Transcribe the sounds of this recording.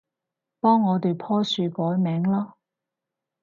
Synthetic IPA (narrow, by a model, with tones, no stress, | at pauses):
pɔː˥ŋːɔː˨˧t̪e˨˧jpʰɔː˥syː˨˧kɔː˨˥jmɛː˨˥ŋlaː˥